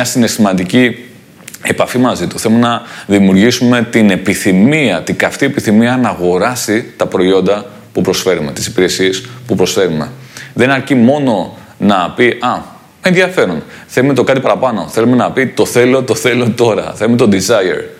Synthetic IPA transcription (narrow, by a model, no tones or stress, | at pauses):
ɐsine̞st̪imɐnd̪ici | e̞pɐfimɐzit̪u̥θe̞lumenɐðimiuɾʝisume̞t̪ine̞piθimiɐt̪iɡɐft̪ie̞piθimiɐnɐːɣo̞ɾɐsit̪ɐpɾo̞io̞nd̪ɐ | pupɾo̞sfe̞ɾume̞t̪i̥si̥piɾe̞sie̞spupɾo̞sfe̞ɾume̞ðe̞nɐɾcimo̞no̞ | nɐpiʔɐ | enðjɐfe̞ɾunθe̞lume̞t̪o̞kɐt̪ipɐɾɐpɐno̞θe̞lume̞nɐpit̪o̞θe̞lot̪oθe̞lo̞t̪o̞ɾɐ̰θelumet̪o̞d̪izɐjḛɾ